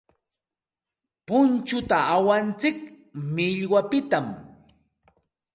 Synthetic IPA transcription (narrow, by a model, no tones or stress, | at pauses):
pʊnt͡ʃʊt̪aawant͡sɪk | mɪʎwapɪt̪am